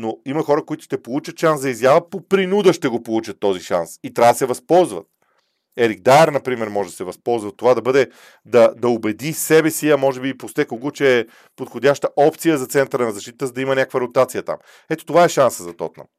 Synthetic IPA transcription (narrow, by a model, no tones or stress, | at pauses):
noimɐxɔɾəkoit̪ʊ̥ʃt̪ɛpolˠut͡ʃət̪ʃansd̪ɐizjavəpopɾinud̪əʃt̪ɛɡopolˠut͡ʃət̪ːɔziʃa̰nsit̪ɾʲavd̪ɐsɛvɐspɔlˠzvə̰t̪ | ɛɾiɡ̚d̪aɛɾnɐpɾimɛɾmɔʒɛd̪ɐsɛvɐspɔlˠzvɐt̪ːovad̪ɐbɤd̪ɛ | d̪ɐd̪ɐobɛd̪isɛbɛsiɐmɔʒɛbiːpost̪ɛkoɡot͡ʃɛː | pot̪xodʲaʃt̪əʔɔpt̪sijəzɐt̪sɛnt̪əɾənɐzɐʃt̪it̪ət̪əzɐd̪ɐimɐnʲakvəɾot̪at̪sijət̪a̰m | ɛt̪o̥t̪ovaɛʃansəzɐt̪ɔ̰t̪nə̰m